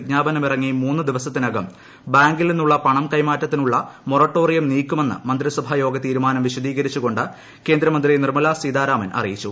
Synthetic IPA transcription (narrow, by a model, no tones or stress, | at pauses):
d̪ɲaːbɐnɐmirɐŋːijmːuːnːɨd̪iʋɐsɐt̪ːinɐɡɐm | baːŋɡilninːuɭːɐpɐɳɐmkɐjmaːtːɐt̪ːinuɭːɐmorɐʈːo̞ːrijɐmniːkʲːume̞nːɨ̰mɐnd̪risɐbʱɐjo̞ːɡɐt̪iːɾumaːnɐmʋiɕɐd̪iːɣɐɾit͡ɕːuɣo̞ɳɖɨ | ke̞ːnd̪ɾɐmɐnd̪rinirmɐlasiːd̪aːɾaːmɐnʔɐ̰rijit͡ɕːu